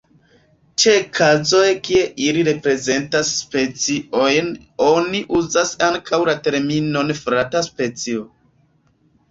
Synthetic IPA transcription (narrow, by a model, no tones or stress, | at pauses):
t͡ʃe̞kʰazo̞jkie̞ʔiliɾe̞pɾe̞ze̞ntasːpe̞t͡sio̞jn | o̞niʔuzasaŋkʰawlate̞ɾmino̞nfɾataspe̞t͡sio